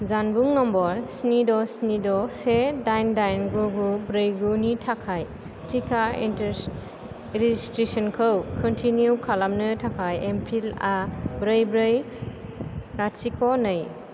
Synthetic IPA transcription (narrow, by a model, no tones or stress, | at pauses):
zanbuŋːɔmbɔɾsnidɔsnidɔsedajndajnɡuɡubɾɯjɡunitʰakʰaj | tʰikʰaint | ɾizistɾesɔnkʰɯwkʰɔntʰinjukʰalamnɯtʰakʰajempʰilabɾɯjbɾɯj | ɾatsikʰɔnɯj